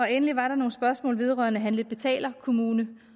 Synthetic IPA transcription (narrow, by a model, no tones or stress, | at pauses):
ɒ̽enəliʋɑ̈ɾ̥ɑ̈no̝ːn̩sb̥ɶɐsmɔ̰̽ːlʋe̝ð̞ˠʁœ̰ɐnəɦænle̝̥b̥e̝t͡sʰɛ̰ːlɐkʰo̝muːnə